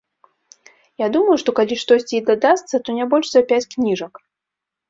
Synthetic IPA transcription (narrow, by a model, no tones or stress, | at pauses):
jad̪uməjuʂt̪ɔkalʲiʂt̪ɔsʲt͡sʲiid̪ad̪ast̪sɐt̪ɔnʲabɔlʲʂzɐpʲæt͡sʲknʲiʐɐk